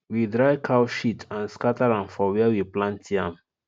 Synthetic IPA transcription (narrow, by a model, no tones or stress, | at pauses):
widɹaɪkʰaʊʃitãnskataɾãmfɔwɛawiplãntiãm